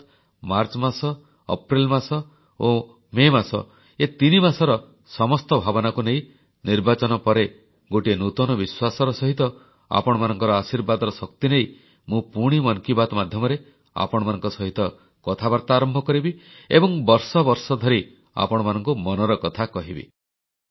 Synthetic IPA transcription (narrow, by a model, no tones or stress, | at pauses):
maɾt͡ʃɔmasɔ | ɔ̰pɾilmasɔ | o | memasɔ̰ | et̪inimasɔɾɔ | sɔmɔst̪ɔbʱabɔnakunej̃ | niɾbat͡ʃɔnɔpɔɾe | ɡoʈienut̪ɔnɔbiswasɔɾɔsɔɦit̪ɔ | a̰pɔɽ̃ɔmanɔŋkɔɾɔasiɾbad̪ɔɾɔsɔkt̪inej | mũpuɽ̃imɔnkibad̪ɔmad̪ʱjɔmɔɾe | a̰pɔɽ̃ɔmanɔŋkɔsɔɦit̪ɔ | kɔt̪ʰabaɾt̪aːɾɔmbʱɔkɔɾibiebɔŋbɔɾsɔbɔɾsɔd̪ʱɔɾi | a̰pɔɽɔmanɔŋkumɔnɔɾɔkɔt̪ʰakɔɦibḭ